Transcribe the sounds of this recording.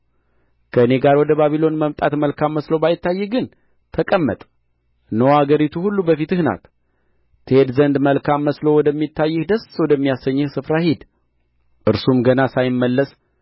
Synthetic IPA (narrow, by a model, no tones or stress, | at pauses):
kʰəɨne̞ɡaɾwɔd̪əbaβilo̞nməmt̪ʼat̪məlkʰamːəslo̞bajɪt̪ʰːajːɛɡɨn | t̪ʰəkʼəmːə̰t̪ʼ | nəwaɡəɾit̪ʰuhulːubəfit̪ɨhna̰t̪ | t̪ʰːɨhe̞d̪zənd̪məlkʰamːəslo̞wɔd̪əmːit̪ːajːɨhd̪əswɔd̪əmːijasəɲːɨhsɨfɾahid̪ | ʔɨɾsumɡənasajɪmːəlːəs